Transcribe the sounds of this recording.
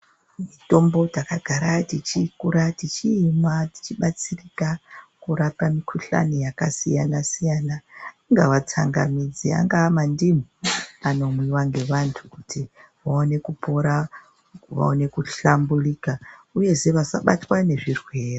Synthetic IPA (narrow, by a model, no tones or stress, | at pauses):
mito̞mbo̞takaɡ̥ʱaɾatit͡ʃikuɾatit͡ʃiːmati̥t͡ʃiɓat͡sirikakuɾakamikʰuɬa̰nijakasijanasijana | ŋɡawat͡saŋɡa̰mid͡zia̰ŋɡaːmandim̤iano̞mwiwaŋɡe̞ʋantʰu̥kutiʋaone̞kupo̞ɾa | ʋa̰one̞kuɬambulikauje̞se̞ʋasaɓatwane̞ʐirwe̞ːro